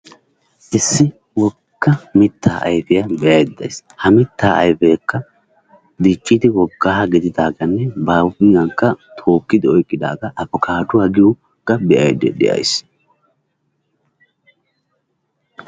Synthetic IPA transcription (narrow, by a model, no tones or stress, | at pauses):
ʔɛsːɪ | wɔ | kːɐmɪt̪ːaːʔɐ̰jfɛjɐbɛjɐjɛd̪ːɐjshɐmɪt̪ːaːɐ̰jfeːkːɐ | d̪iːt͡ʃʼːɪd̪ɪwɔɡːaːhɐɡɪd̪ɪd̪aːɡɐnːɛbaːɪŋɡɐŋkːɐt̪ʰo̞ːkːɪd̪ɪɔjkʼːɪd̪a̰ːɡɐʔɐbɔkʰaːd̪ʊwaːɡɪjʊ | kːɐbɛʔɐjd̪ɛ̰ᶑɛ̰ʔɐ̰js